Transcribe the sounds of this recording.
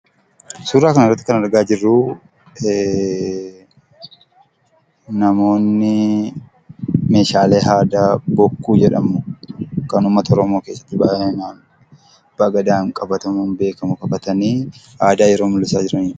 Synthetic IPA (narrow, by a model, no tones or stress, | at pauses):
suːɾaːkɐnɛrːɐt̪ːɪ̥kɐnɐɾɡaːd͡ʒɪrːuː | nɐmo̞ːnːɪ | me̞ːʃaːle̞ːɦaːd̪abɔkːuːd͡ʒɛᶑɐmʊkɐnʊmːɐt̪ɐɔɾɔmo̞ːke̞ːsːɐ̥t̪ːɪbaːenaːn | b̥ɐɡɐd̪aːŋkʼɐbɐt̪ɐmʊnbe̞ːkɐmʊkʼɐbɐt̪ɐniː | aːd̪aːjɛɾoːmʊlːɪsaːd͡ʒɪɾɐn